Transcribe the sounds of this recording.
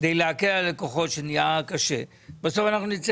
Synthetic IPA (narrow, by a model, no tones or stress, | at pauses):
d̪ejleakealekoχo̞tʃenijakaʃe | baso̞fanaχnunit͡s